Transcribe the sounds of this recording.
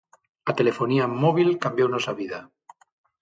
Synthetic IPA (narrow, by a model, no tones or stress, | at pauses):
at̪e̞le̞fo̞niamoβ̞ilkambjonosaβiða